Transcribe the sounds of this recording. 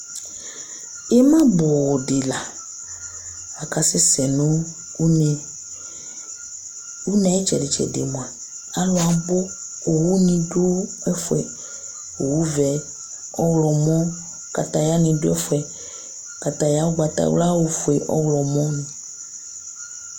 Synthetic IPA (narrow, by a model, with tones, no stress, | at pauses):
e˦mã˦bo˨wɔ˨ɖe˨la˨ | a˨ka˨se˦sɛ˨nũ˦˨ | u˦nɛ̃˨e˦t͡ʃɛ̰˨de˨t͡ʃɛ̰˨dḛ˨mõ˨ɛ˨ | a˨lo˦a˨bo˦ | o˨wu˦nĩ˨do˦ɛ˦fɛ˨ | o˨wu˦vɛ˨ | ɔ˦wlɔ˨mɔ̃˦ | ka˨t̪a˦ja˦nĩ˨do˦ɛ˦fɛ˨ | ka˨t̪a˨ja˦wo˦ɡ͡ba˨t̪a̰˨w̰la˦wo˨fu˨ɛ˨ʔɔ̰˦wlɔ˨mɔ̃˦nũ˨